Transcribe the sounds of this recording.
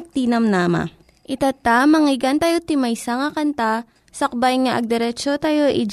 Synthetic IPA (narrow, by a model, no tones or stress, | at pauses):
t̪iːnɐmnaːma̰ | ʔɪt̪at̪amɐŋɪɡant̪ɐjot̪ɪmɐjsaŋɐkɐnt̪a | sɐk̚bajŋaʔɐɡ̚d̪ɛɾɛt͡ʃot̪ɐjoʔɪd͡ʒ